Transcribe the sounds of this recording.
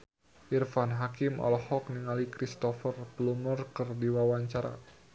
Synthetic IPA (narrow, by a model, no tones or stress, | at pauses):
ʔirfanɦakɪmʔɔ̰lɔhɔk̚niŋalikɾist̪ɔfərblumərkərdiwawaɲt͡ʃaɾa̰